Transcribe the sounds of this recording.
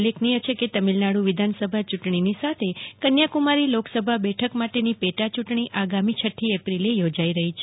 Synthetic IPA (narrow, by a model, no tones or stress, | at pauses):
leknijət͡ʃʰeket̪əmilnaɽũʋɪd̪ʱansəbʱat͡ʃuʈɳinisat̪ʰekənjakumaɾiloksəbʱabɛʈʰəkmaʈenipeʈat͡ʃuʈɳ̃iʔaɡamit͡ʃʰəʈʰːiepɾilejod͡ʒaiɾəɦit͡ʃʰe